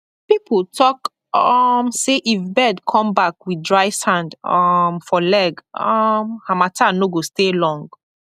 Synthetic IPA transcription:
piptʰɔk | ɔmseʔifbɛdkʰɔ̃mbakwidɹaɪsãndɔmfɔlɛɡɔmhamatʰanoɡostelɔ̃ŋɡ

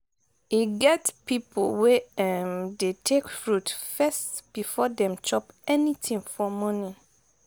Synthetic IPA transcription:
hiɡɛtpʰipʰo̰wɛɛ̃ndetʰekfɹutfɛstb̥ifɔdɛ̃mt͡ʃʰɔpɛnĩtʰĩŋfɔmɔ̃nĩ

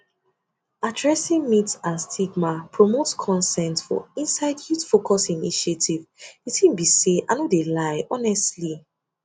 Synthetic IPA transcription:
adɹɛsĩŋmitsãnstʰiɡmapʰɹɔmotskʰɔ̃nsɛ̃ntfɔ̰ĩnsaɪdjutfokʰɔsiniʃietivitĩnbiseʔanodelaɪʔɔnɛstli

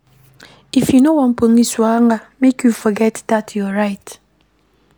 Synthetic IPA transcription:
ifinowɔm̩poŋ̩iswaŋamekjufɔɡɛtdatʰjɔɾaɪt

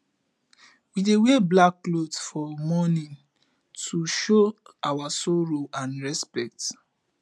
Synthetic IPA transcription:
wideweblakːlodsfɔmɔnĩn | tʰuʃoawasɔɹoãnɹɛspɛk̚t

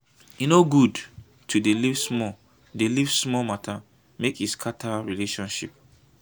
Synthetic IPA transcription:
inoɡud | tʰudelivsmɔ | delivsmɔmatʰa | mekhiskʰatʰaɹileʃɔ̃nʃḭp̚

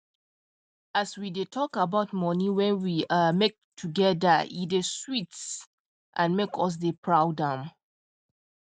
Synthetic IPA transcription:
aswidetʰɔkabaʊtmɔniwɛ̃nwimek̚tʰuɡɛðəideswits | ʔãnmekʰɔs̬depʰɹaʊdãm

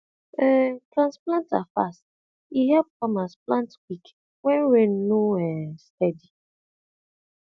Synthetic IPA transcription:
ɛtɹãnsplãntafa̰st | iɦɛp̚kɔ̃masplãntkik | wɛ̃nɹẽnːoɛstɛdi

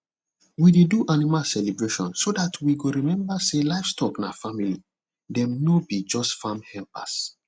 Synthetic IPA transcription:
wideduʔanimasɛlibɹeʃɔ̰̃nsodatʰwiɡoɾimɛ̃mbaselaɪfstɔkna̰famili | dɛ̃mnobid͡ʒɔstfãmhɛlpa̰s

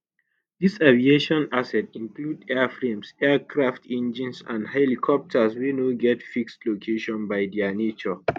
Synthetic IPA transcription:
disavieʃɔ̃nasɛtĩŋkludɛfɹẽmsɛkʰɹaftʰɛ̃nd͡ʒĩnsã̰ndhɛlikʰɔp̚tʰəswenoɡɛtfikstlokʰeʃɔ̃nbaɪdɛanet͡ʃɔ

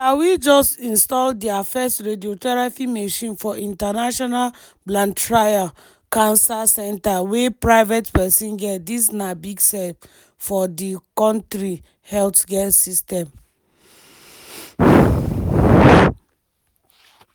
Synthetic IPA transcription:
awid͡ʒɔstĩnstɔldiafɛstɹediotɛɹafimeʃĩnfɔʔĩntanaʃɔnal | blãntɹaja | kãnsasɛ̃ntawepɹaɪvɛtpɛsĩnɡɛtdisnabiɡsɛp | fɔdikɔ̃ntɹi | hɛltɡɛsistɛ̃m

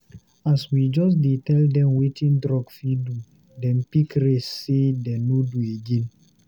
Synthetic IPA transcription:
aswid͡ʒɔs̬detɛldɛ̃mwetĩndɾɔɡfidu | dɛ̃mpikɾesːedɛ̃nodueɡẽn

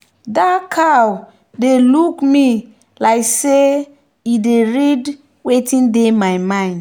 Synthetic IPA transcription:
dakʰaw | delukmi | laɪkse | ideɹid | wetʰĩndemajmãɪ̃nd

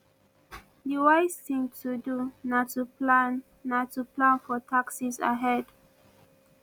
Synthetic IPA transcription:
diwaɪstĩŋtʰudunatuplanː | atuplãnfɔtʰaksiza̰ɦɛd

